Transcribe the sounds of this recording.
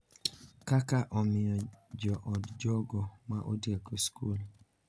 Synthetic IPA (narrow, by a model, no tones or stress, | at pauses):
kakaʔɔmɪɔd͡ʒɔʔɔdd͡ʒɔɡɔmaʔo̰dieɡoskul